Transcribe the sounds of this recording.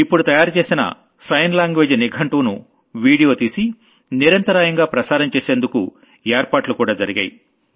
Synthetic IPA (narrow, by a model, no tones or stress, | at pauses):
ipːuɽut̪ɐjaːɾut͡ʃe̞ːsinɐ̰ | sɐjnlaːŋɡʋeːd͡ʒniɡʱɐɳʈuːnu | ʋiːɽijo̞ːt̪iːsi | niɾɐnt̪ɐɾaːjɐŋɡaːpɾɐsaːɾɐmt͡ʃeːseːnd̪ukṵ | eːɾpaːʈlukuːɽaːd͡ʒɐɾiɡɐːji